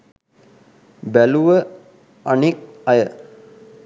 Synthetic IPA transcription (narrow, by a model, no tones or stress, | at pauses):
bæluʋə | anik̚ɐjə